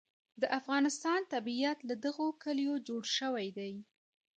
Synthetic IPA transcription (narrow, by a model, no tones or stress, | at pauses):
d̪əʔafɣɑnɪst̪ɑnt̪abiiat̪lad̪əɣokəljod͡ʒoɽʃəwajd̪aj